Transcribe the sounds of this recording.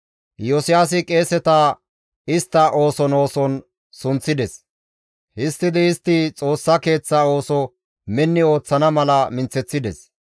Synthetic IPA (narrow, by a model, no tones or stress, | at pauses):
jɔsɪjaːs̬ɪkʼe̞ːsɛt̪ɐ | ɪst̪ːɐʔo̞ːsɔno̞ːsɔn | sʊnt͡sːɪd̪ɛs | hɪst̪ːɪd̪ɛɪst̪ːɪt͡sʼo̞ːsːɐke̞ːt͡sːɐo̞ːsɔ | mɛnːɪo̞ːt͡sːɐnɐmɐlɐmɪnt͡sːɛt͡sːɪd̪ɛs